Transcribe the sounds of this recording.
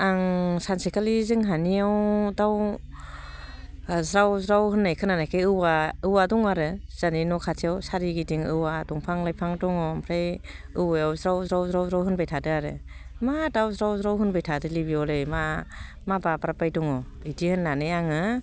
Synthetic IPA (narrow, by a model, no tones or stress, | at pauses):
aŋsansikalizɯŋɦaniawdaw | zɾawzɾawhɯnːajkʰɯnanajkʰajɯwaɯwadɔŋaɾɯz̥aninɔkʰatʰiawsaɾiɡidiŋɯwadɔŋpʰaŋlajpʰaŋdɔŋɔmpʰɾajɯwajawzɾawzɾawzɾawzɾawɦɯnbajtʰadɯaɾɯ̰madawzɾawzɾawɦɯnbajtʰadɯlibiɔlɯjma | mabapaɾapajdɔŋɔ | idihɯnːanɯjaŋɯ